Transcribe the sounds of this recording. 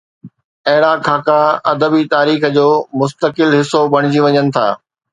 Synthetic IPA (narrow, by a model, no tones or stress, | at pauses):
ɐɦɪɽakʰaːkaɐd̪əbit̪aːɾiːxəd͡ʑoːmʊs̬t̪əkɪlɦɪsːobɐɽ̃ɪd͡ʑiʋɐɲənɪ̆t̪ʰa̰ː